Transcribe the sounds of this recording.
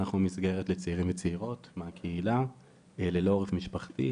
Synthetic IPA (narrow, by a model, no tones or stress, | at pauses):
naχnumizɡe̞ʁetlet͡seiʁimvet͡seiʁo̞tmeakʰeila | lelooʁefmiʃpaχtḭ